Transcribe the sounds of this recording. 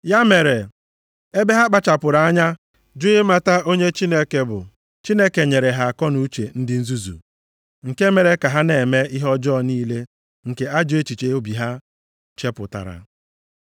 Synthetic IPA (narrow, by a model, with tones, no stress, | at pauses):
ja˦me˨ɾe˨ | e˦be˦ɦa˦k͡pa˦t͡ʃa˨pʊ˨ɾa˨a˦ɲa˦ | d͡ʒʊ˦ɪ˦ma˦ta˦ʔo˦ɲe˦t͡ʃi˦ne˦ke˦bʊ̰˨ | t͡ʃi˦ne˦ke˨ɲe˨ɾe˨ɦa˨a˨kɔ˦nu˦t͡ʃe˨n̩˦dɪ˦n̩˦zu˦zṵ˨ | ŋ̩˨ke˦me˨ɾe˦ka˨ɦa˦ne˨me˦i˦ɦɔ˦d͡ʒɔ˦˨niː˦le˦ | ŋ̩˨ke˦a˦d͡ʒʊ˨e˦t͡ʃi˨t͡ʃe˨o˦bi˨ɦa˦ | t͡ʃe˦pʊ˨ta̰˨ɾa̰˨